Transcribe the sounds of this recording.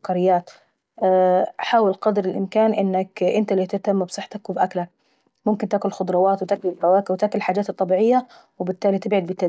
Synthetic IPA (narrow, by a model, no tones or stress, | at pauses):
kɑɾɪjːaːt̪ː | ħaːwɪlqɑd̪ɾɪlʔɪmkaːnʔɪnːakʔɪnt̪alit̪ɪt̪amːabsˤɨħːt̪ɑkwɪbʔaklak̚ | mʊmkɪnt̪aːkʊllxʊd̪ˤɾˤɑwaːt̪wɪt̪akʊlɪɾɑwaːkɪwɪt̪aːkʊllħaːd͡ʒaːt̪ɨt̪ˤːɑbiːʕɪjːa | wɪbɪt̪ːaːlit̪ɪbʕad̪̚bɪt̪ːa